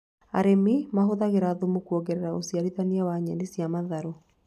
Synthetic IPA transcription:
a̰ɾemimaɦoðaɣeɾaːðomukuoɣɛɾɛɾaosiaɾiðaniawaɲɛnesiamaðaɾo

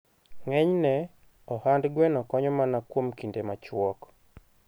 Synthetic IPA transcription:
ŋɛɲnɛ | ɔhandɡwɛnɔkɔɲɔmanakwomkindemat͡ʃwɔk

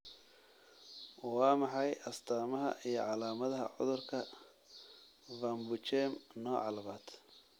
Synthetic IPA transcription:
wɑːmɑħɑjʔɐst̪ʰaːmɐɦɐ̰ʔijɞ̰ʕɑlaːmɐðɐɦɐ̰ʕʊ̰ðʊrkʰɐ | vaːmbʊt͡ʃɛːmnɔːʕɑ̰lɐβaːd̪̥

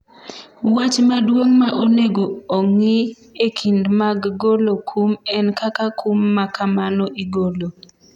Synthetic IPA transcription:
wat͡ʃmadwoŋmaʔoneɡoːŋɪ | ekʰindmaɡɡolokʰumɛnkakakumːakamanɔʔiɡolo

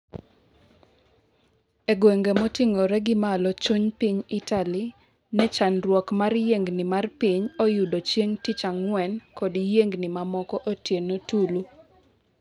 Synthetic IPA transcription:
eɡweŋɡemɔtɪŋɔɾɛɡɪmalɔt͡ʃuɲpiɲɪtali | nɛt͡ʃanrwɔkmarjeŋɡnɪmarpiɲɔjudot͡ʃjeŋtit͡ʃaŋwɛnkɔdijeŋɡnɪmamɔkɔʔotjenotulu

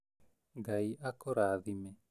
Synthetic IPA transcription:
ɡaiakoɾaðimɛ

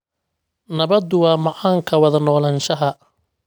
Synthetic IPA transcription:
nɐβɐd̪ʊwɑːmɑʕaːŋkʰɐwɐðɐnɔːlɐnʃɐɦɐ

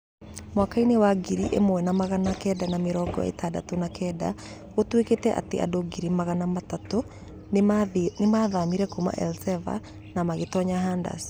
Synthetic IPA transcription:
mwakainewaɡiɾiʔḛmowɛnamaɣanakɛːdanameɾɔːɡɔ̰ḛtaːda̰tonakɛda̰ɣotweketɛʔa̰tea̰doɡiɾimaɣanamatato | nemaːðamiɾɛkoma̰ʔɛlsɛva̰ | namaɣetɔɲaɦanda̰s

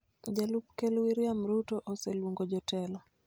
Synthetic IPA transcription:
d͡ʒalup̚kɛlwiɾiamɾutɔʔosɛlwuŋɡod͡ʒɔtɛlɔ

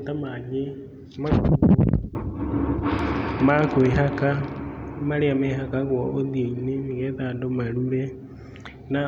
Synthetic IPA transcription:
tamaɲe | ma | makweɦakamaɾeameɦakaɣwɔʔoðieinemiɣɛðaːndomaɾuβɛ | na

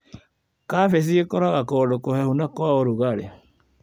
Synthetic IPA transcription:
kafesiekoɾaɣakɔdokohɛhunakwaoɾuɣaɾe

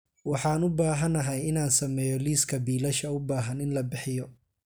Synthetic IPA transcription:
wɑħɑːnʊbaːɦɐnɐɦɛjɪnaːnsɐmɛːjɔliːskʰɐbiːlɐʃɐʊbaːɦɐnɪnlɐbɪħɪjɔ

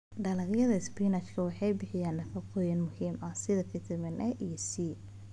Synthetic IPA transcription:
ɖɐlɐɣjɐðɐɪsbiːnɐt͡ʃkʰɐwɑħɑjbɪħɪjaːnːɐfɐqɔjɐnmʊhiːmʔɐsɪðɐkʰɐt̪ʰɪmɪnʔɛʔijsiː

